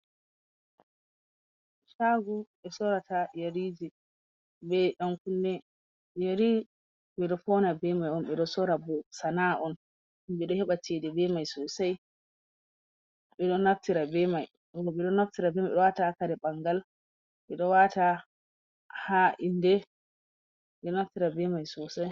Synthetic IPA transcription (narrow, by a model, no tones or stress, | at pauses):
ʃaɡuɓɛsɔɾatajaɾiːd͡ʒi | bɛɗaŋkundɛ | jaɾi | ɓɛɗɔfɔnabɛmajɔnɓɛɗɔsɔɾabɔsanaʔɔn | ɔmɓɛɗɔhɛɓat͡ʃɛdɛbɛmajsɔsaj | ɓɛɗɔnaftiɾabɛmaj | ɔɓɛɗɔnaftiɾabɛmaɛɗɔwatakaɾɛɓaŋɡal | ɓɛɗɔwata | haʔindɛ | ɛɗɔnaftiɾabɛmajsɔsaj